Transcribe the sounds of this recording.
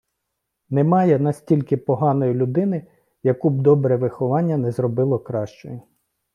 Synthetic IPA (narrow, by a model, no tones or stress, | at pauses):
nɛmɑjɛnɐsʲtʲilʲkɪpɔɦɑnɔjilʲʊd̪ɪnɪ | jɐkub̚d̪ɔbɾɛʋɪxɔʋɑnʲːɐnɛzɾɔbɪlˠɔkɾɑʃt͡ʃɔjʊ